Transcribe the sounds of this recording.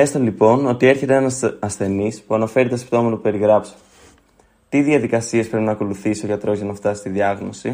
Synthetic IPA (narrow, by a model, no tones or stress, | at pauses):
est̪olipo̞no̞t̪ie̞ɾçe̞t̪eenɐnɐsθe̞nispuɐnɐfe̞ɾit̪ɐsi̥pt̪o̞mɐt̪t̪upe̞ɾiɣɾɐpso̥ | t̪iðiɐðikɐsiespɾe̞pinɐːko̞luθisioʝɐt̪ɾo̞zʝɐnɐft̪ɐsi̥st̪iðiɐɣno̞si